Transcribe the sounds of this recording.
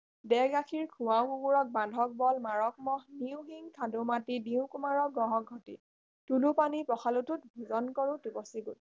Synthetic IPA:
dɛɡakʰiɹkʰũwaw̃kuɡuɹɔk̚bãdʱɔk̚bɔlmaɹɔk̚mɔɦniwɡiŋtʰadumatidiʊ̃kumaɹɔɡɔɦɔɡʱɔtḭ | tulupanipɔxalututbʱuzɔnkɔɹutubɔsiɡut̚

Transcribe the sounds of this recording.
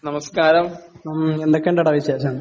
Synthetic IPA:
nɐmɐskaːɾɐm | end̪okːeɳɖeɐɽɐːʋiɕeːɕɐm

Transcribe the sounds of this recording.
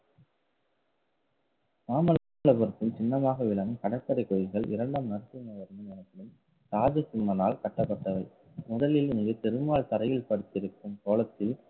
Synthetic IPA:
maːmɐl | ɭɐpɐɾɯt̪ːɯmt͡ʃɪnːɐmaːɣɐʋɪɭɐŋɯkɐɽɐkːɐɾɐɪkːɔjɪɣɐɭɪ̰ɾɐɳɖaːmnɐɾɯt̪ːɯnɐʋɐɾɯnɐnɐnɐt̪ːɪlɯm | taːd͡ʒɐsɪmːɐnaːlkɐʈːɐpːɐʈːɐʋɐɪ | mʊðɐlɪlɪŋɡɯt̪ɛɾɯmaːɭt̪ɐɾɐjɪlpɐɽɯt̪ːɪɾɯkːɯmkoːlɐt̪ːɪl

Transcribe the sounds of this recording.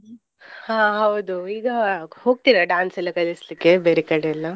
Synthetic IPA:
hãːɦɐwd̪uiːɡɐho̞ːɡ̚t̪iɾɐɖaːnsɐlːɐkɐlislikːebeːɾekɐɽeɐlːɐ

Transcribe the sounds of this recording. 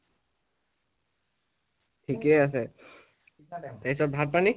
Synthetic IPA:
tʰikeasɛ | teisɔbʱat̚pani

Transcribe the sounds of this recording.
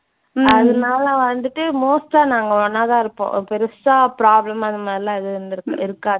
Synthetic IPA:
ɐðɐnaːlɐʋɐnd̪ɯʈːɯmoːsʈaːnaːŋɡɐɔnːaːt̪ãːɪɾɯpːõ̰pɛɾɯsaːpɾaːblɐmɐnd̪ɐmaːd̪ɾɪlãːɪðɯnɾ̃ɪɾɯkːaː

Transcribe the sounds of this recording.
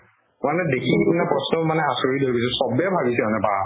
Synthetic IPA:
manɛdekʰiipinapɹɔsnɔmanɛasoɹidʱojbis̬ɛ̃sɔbɛbʱabisɛɔnɛpa

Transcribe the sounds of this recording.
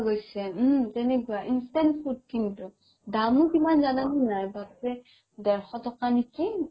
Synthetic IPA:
ɡojsɛtɛnɛkuaʔinstanfʰud̚kintu | damukimanzananunajbakɹɛ | dɛɹxɔtɔkaniki

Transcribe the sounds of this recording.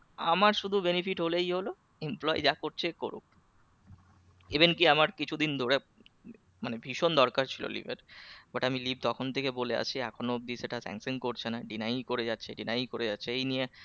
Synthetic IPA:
amaɾʃud̪ʱubenifiʈɦolejɦolo | emplɔid͡ʑakoɾt͡ɕʰekoɾṵk̚ | ebenkiamaɾkit͡ɕʰud̪ind̪ʱoɾe | manebʱiʃond̪ɔɾkaɾt͡ɕʰilo̰lḭbʱeɾbaʈamilib̚t̪ɔkʰont̪ʰekebolea̰t͡ɕʰiɛkʰonob̪iseʈasɛ̰ŋsenkoɾt͡ɕʰenaɖinajkoɾed͡ʑatːɕʰeɖinajkoɾed͡ʑatːɕʰeejnie

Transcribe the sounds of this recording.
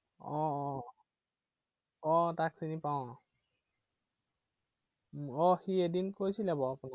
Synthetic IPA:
ɔ̃ | ɔ̃taksinipaw̃ | ɔxiedinkojsilabɔapuna

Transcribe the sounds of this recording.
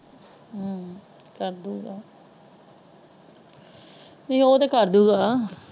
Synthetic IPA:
kəɾd̪uːɡaː | mɛ̃ːoːt̪ekəɾd̪uːɡaː

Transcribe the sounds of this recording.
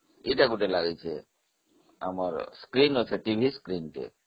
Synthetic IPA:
iʈakuʈelaɡet͡ʃʰḛ | a̰mɔɾskɾinot͡ʃʰeʈibʱiskɾinʈḛ

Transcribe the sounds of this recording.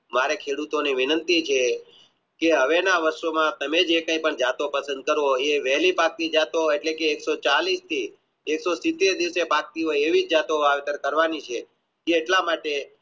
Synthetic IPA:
maɾekʰeɽut̪oniʋɪnənt̪it͡ʃʰe | keɦəʋenaʋəɾsomãt̪əmed͡ʒekə̃ĩpəɳd͡ʒat̪opəsənd̪̚kəɾoeʋɛɦlipak̚t̪id͡ʒat̪oeʈlekeːksot͡ʃalist̪ʰiː | ksosit̪ːeɾd̪iʋsepak̚t̪ioeʋid͡ʒd͡ʒat̪oaʋet̪əɾkəɾʋanit͡ʃʰe | eeʈlamaʈe

